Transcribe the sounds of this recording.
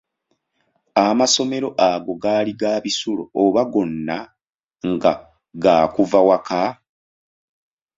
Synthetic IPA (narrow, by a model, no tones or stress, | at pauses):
amaso̞me̞ɾo̞ʔaɡo̞ɡaːliɡaːβisulo̰oβaɡo̞nːa | ŋɡa | ɡaːkuvawaka